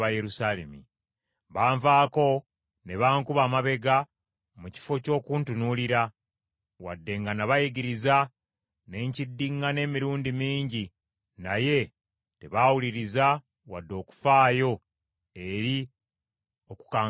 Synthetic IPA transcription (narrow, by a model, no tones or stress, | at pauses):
βajeɾusaːle̞̰mḭ | βaːɱvaːko̞ | ne̞βaːŋkuβaːmaβe̞ɡa | muci̥fo̞co̞ːkuːntunuliɾa | wa̰dːe̞ŋɡanaβajiɡiɾiza | ne̞ɲcidːiŋɡane̞ːmiɾuːndimiːɲɟi | naje̞ | te̞βaːwuliɾiza | wadːo̞ːku̥faːjo̞ | e̞ɾi | o̞ku̥kaː